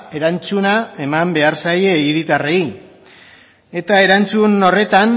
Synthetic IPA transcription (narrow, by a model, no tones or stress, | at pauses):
e̞ɾant͡sunae̞mambe̞aɾsaje̞iɾit̪arei | e̞t̪ae̞ɾant͡suno̞re̞t̪an